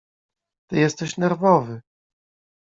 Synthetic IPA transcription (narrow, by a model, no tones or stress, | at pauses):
t̪ɘjɛst̪ɛɕnɛɾvɔvɘ